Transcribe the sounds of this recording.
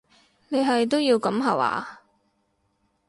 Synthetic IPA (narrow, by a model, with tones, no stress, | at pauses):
ne˨˧jɦɐ˨jt̪̬o˥wjiː˧wkɐ˨˥mɦɐ̰˨˩wa̰ː˨˧˥